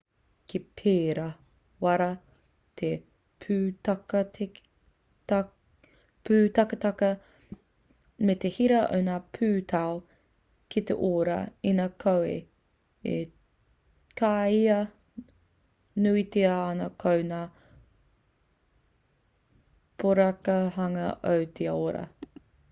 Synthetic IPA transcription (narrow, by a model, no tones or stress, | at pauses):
kʰipʰeːɾɐ | wɐɾɐ | t̪ʰe | pʰʉːtɐkɐtʰ | pʰʉːt̪ɐkɐt̪ɐkɐ | met̪ehiɾɐo̰wnaːpʰʉːt̪ʰao | kʰit̪ḛʔoːɾɐ̰inaːkʰowḛ | e | kʰaːiɐ | nuit̪eaːnɐkʰownaː | pʰoɾɐkɐɦɐŋɐ̰ʔɐwt̪ʰeoɾɐ̰